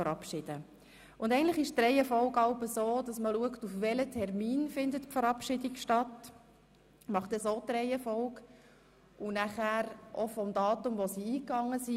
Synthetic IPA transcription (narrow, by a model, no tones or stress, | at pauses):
əɾɑpʃɪd̥ə | ʔʊndɛɪntlɪχɪʃtɾɛɪɛfɔʊkɑʊbəsoːd̥ɑsməluəktufʋɛlətʰɛrmiːnfɪndətpfəɾɑpʃɪdikʃtɑt | mɑχtɛsoːtɾɛɪɛfɔlk | ʔʊnæχæːɾʔɔfɔmdɑːtʊmʋosiiːkɑŋːəsi